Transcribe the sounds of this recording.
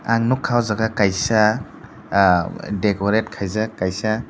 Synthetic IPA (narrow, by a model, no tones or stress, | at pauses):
aŋnukʰːawzaɡakajsa | dekoɾet̚kʰajzakajsa